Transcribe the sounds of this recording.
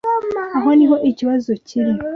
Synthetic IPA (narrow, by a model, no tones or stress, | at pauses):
aɦo̞niɦo̞ʔiciβazociɾi